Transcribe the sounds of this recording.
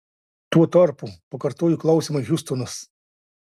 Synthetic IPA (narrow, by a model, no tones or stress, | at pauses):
t̪uɔt̪ɐɾpupɐkɐɾt̪oːjuklˠɐʊsʲimɐjʲʊst̪ɔnɐs